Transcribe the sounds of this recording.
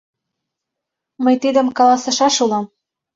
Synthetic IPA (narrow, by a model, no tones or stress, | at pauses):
məjt̪id̪ə̆mkɑlɑsɤ̆ʃɑʃulɑm